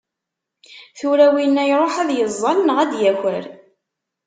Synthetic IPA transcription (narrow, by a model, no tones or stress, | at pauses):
θuɾæwinːæjɾˤoħæðjəzˤːɑlnʁæd̪jæçəɾ